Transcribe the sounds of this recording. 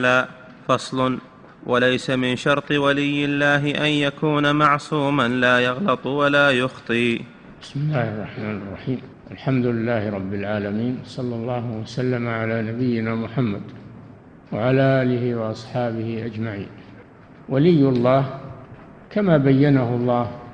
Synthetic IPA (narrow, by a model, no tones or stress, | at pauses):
laː | fɑsˤlʊn | wʔalajsamɪnʃɑɾˤt̪ˤɨwalɪjːɪlːaːɦɪʔanjakuːnamaʕsuːmanlaːjɑɣlɑt̪ˤwalaːjʊxt̪ˤiː | bɪsmɪlːaːhɑrˤːɑħmaːnɪrrˤːɑħiːm | ʔalħamd̪ʊlɪlːaːhɪɾˤɑbːɪlʕaːlamiːnwsˤɑlːɑlˤːɑːhʊwasalːamaʕalaːnabɪjːɪnaːmʊħamːad̪ | waʕalaːʔaːlɪhiwɑʔɑsˤħɑːbɪhiʔad͡ʒmaʕḭːn | walɪjːlːɑːh | kamaːbajːanahʊlˤːɑːh